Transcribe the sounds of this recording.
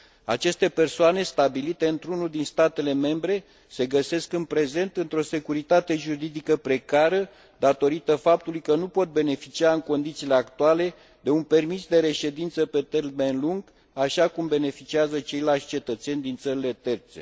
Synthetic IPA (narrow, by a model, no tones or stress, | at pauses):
a̰t͡ʃe̞st̪e̞pe̞rsoane̞st̪abilit̪e̞ɨnt̪ɾunuld̪inst̪at̪e̞le̞me̞mbɾe̞ | se̞ɡəse̞skɨnpɾe̞ze̞nt̪ɨnt̪ɾo̞se̞kuɾit̪at̪e̞ʒuɾid̪ikəpɾe̞kaɾə | d̪at̪o̞ɾit̪əfap̚t̪ulujkənupo̞t̪̚be̞ne̞fit͡ʃiaɨŋko̞nd̪it̪sile̞akt̪uale̞ | d̪e̞unpe̞rmisd̪e̞ɾe̞ʃe̞d̪int̪səpe̞t̪erme̞nluŋɡ | aʃakumbe̞ne̞fit͡ʃiazət͡ʃe̞jlalʃʲt͡ʃe̞t̪ət̪se̞nʲd̪int̪səɾile̞t̪e̞rt̪se̞